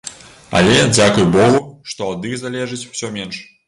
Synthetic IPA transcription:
ɐ̰lʲɛd͡zʲakujbɔɣuʂt̪ɔad̪ɨzalʲɛʐɨt͡sʲu̥w̥sʲɔmʲɛnʂ

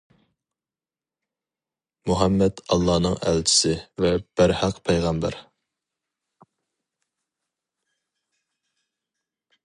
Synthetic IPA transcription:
muɦɛmːɛt̪ɑ̰lˠːɑːnɨŋæ̰lt͡ʃʰɪ̥sɪvɛb̥æɾhɑqpʰɛjʁɑmbæ̰ɾ

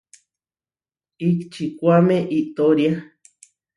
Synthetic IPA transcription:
ikt͡ʃikʷamẽʔiʔt̪oɾja

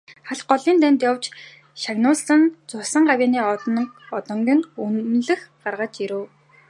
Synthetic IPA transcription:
χaɮɢɔɮiːnt̪ænʲt̪jawt͡ɕ | ʃaɣnʊːssə̆nt͡sʊsə̆ɴɢawʲaːniːɔɔt̪ɞ̆ŋɡʲĭŋunɮɘ̆xɢarʁăt͡ɕiɾɘ̆w

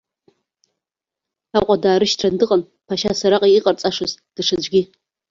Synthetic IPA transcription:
aqʷʼadaːɾɨʃtʰrandɨqʼan | pʰaʃasaɾaqʼiiːqʼart͡sʼaʂɨzd̥ɨʂad͡ʒʷɡʲi

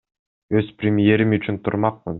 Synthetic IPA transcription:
ø̞z̥pɾʲɪmɪje̞ɾimyt͡ʃynt̪ʰṵɾmɑq̚mɯn

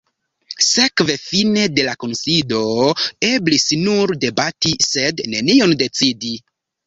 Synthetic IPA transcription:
se̞kve̞fine̞de̞lako̞nsido̞e̞blisnuɾde̞batise̞dne̞nio̞nde̞t͡sidi

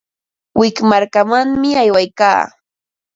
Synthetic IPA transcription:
wɪkmaɾkamaŋmɪajwajka̰ː

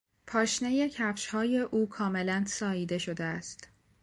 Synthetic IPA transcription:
pʰɒːʃneje̞cʰæfʃhɒːje̞ʔuːkʰɒːme̞lænsɒːiːd̪e̞ʃo̞d̪eæst̪

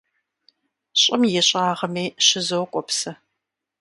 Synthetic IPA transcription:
ɕʼɪmjɛɕʼaːʁɐmeːɕɪzowkʷʼɔpsɐ

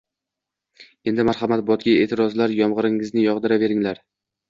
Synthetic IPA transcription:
e̞nd̪ɪmaɾχamat̪̚bɒt̪̚ɡʲae̞ːt̪ʰɪɾɒzlaɾjɒmʁɨɾɪŋɪznɪjɒʁd̪ɪɾave̞ɾɪŋlaɾ

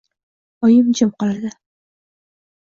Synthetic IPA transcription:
ɒjɪmt͡ʃʰɪmqɒlad̪ɪ

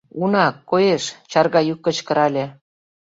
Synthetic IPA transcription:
unɑkːojeʃt͡ɕɑrɣɑjukːə̆t͡ɕkə̆ɾɑlʲĕ

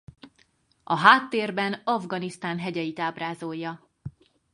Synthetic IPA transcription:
ʔɒɦaːt̪ːeːrbɛnɒvɡɒnist̪aːnɦɛɟɛjit̪aːbraːzo̞jːɒ

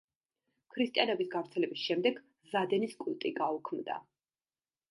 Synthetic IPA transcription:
kʰɾist̪ʼijanɛbisɡavɾt̪sʰɛlɛbisʃɛmd̪ɛɡ | zad̪ɛniskʼulˠt̪ʼiɡaukʰmd̪a̰

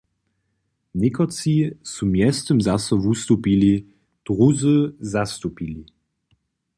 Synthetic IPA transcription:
nɪkɔt͡sisumjɛst̪əmzasɔvust̪upili | d̪̥ʁuzɨzast̪upili

